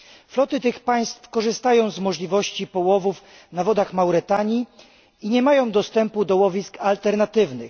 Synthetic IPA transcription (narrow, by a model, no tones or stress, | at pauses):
flɔt̪ɘt̪ɘxpaj̃st̪fkɔʐɘst̪ajɔ̃w̃zmɔʐlʲivɔɕt͡ɕipɔwɔvuf | navɔd̪axmawɾɘt̪aɲi | iɲɛmajɔ̃w̃d̪ɔst̪ɛmpud̪ɔwɔvʲiskalt̪ɛɾnat̪ɘvnɘx